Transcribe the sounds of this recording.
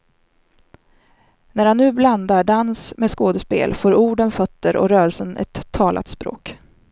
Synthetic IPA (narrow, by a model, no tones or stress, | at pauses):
næɾhanːʉ̟ːbland̪aɖansmeskoːd̪əspḛːlfoːɾuːɖənfœt̪ːəɾʔɔ̰ɾœːɾəlsənɛ̰t̪ʰːɑːlʔa̰t̪spɾo̰ːk